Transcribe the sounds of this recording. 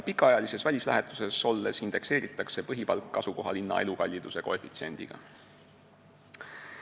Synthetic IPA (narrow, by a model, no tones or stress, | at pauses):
pikːˑɑɑjɑlise̞svælʲislæ̰ɦet̪ˑu̥se̞so̞lːe̞sind̪̥e̞kse̞ːɾit̪ːˑɑkse̞pɤɦipɑlkːɑsuko̞ɦɑlinːɑ̰e̞lukɑlʲːid̪̥use̞ko̞e̞fit̪sie̞̰nd̪̥iɡ̥ɑ̰